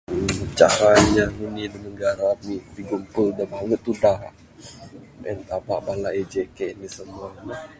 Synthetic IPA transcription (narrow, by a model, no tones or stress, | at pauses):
t͡ʃa̰ɾaɲaŋənidənəɡaɾamidiɡumpəldabaŋət̪ːudaʔ | ə̰nt̪aba̰ʔbalaʔɛd͡ʒɛkɛnisəmuani